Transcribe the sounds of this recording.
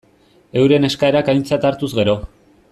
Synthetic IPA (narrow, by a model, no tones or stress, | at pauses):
e̞wɾe̞ne̞skae̞ɾakajnt͡sat̪aɾt̪uzɣe̞ɾo̞